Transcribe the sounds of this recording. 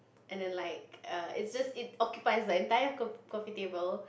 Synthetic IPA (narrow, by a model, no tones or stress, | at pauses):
ʔɛ̃ndɛ̃nlaɪkʌɪtsd͡ʒastɪt̚ɔkjupaɪsdəɛ̃ntajəkɔkɔ̃fitebəl